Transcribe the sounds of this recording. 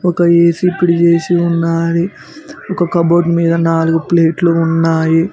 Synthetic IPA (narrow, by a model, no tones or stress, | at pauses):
ɔkɐeːsiːpiɽit͡ʃe̞ːsiunːaːɾi | ɔkɐkɐbɐwʈmiːd̪ɐnaːluɡupleːʈlunːaːji